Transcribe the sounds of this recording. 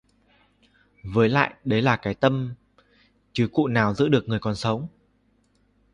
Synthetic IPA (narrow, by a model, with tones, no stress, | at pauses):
vəː˨˦jla̰ː˧˨jɗə˨˦jlaː˨˩kaː˨˦jt̪ə˧m | t͡ɕɨ˨˦kṵ˧˨naː˨˩wzɨ̰˧˥ɗɨ˨˩ək̚ŋɨ˨˩əjkɔ˨˩nsə˨˦wŋ͡m